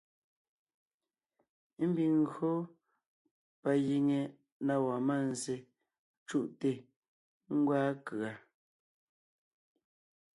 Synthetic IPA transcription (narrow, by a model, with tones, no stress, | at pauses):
m̩˦bi˨ŋ˨ɡɰo˦ | pa˨ji˨ŋe˨ | na˦wa˨ma˦˨n˨ze˨ | t͡ʃu˦ʔte˦˨ | ŋ̩˦ɡwaː˦kɰa˨